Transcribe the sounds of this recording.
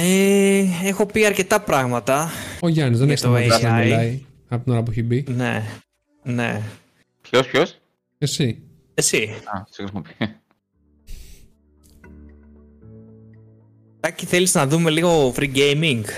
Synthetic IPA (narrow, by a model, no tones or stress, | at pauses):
eexo̞piɐɾce̞t̪ɐpɾɐɣmɐt̪ɐoʝɐnizðeneçst̪oɐsnɐilɐi | ɐpot̪ino̞ɾɐp̬ueçibine̞̰ | ne̞̰ | pleospços | esi | esiɐsexɾisimopie | t̪ɐciθe̞liznɐðume̞liɣo̞fɾiɡejmiŋɡ